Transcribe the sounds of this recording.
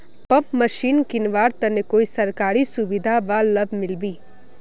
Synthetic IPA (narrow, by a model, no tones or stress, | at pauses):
pɐpmɐʃiːnkɪnʋaːɾt̪ɐnekoːisɐɾkaːɾisʊʋɪd̪ʱabaːlɐbʱmɪlbiː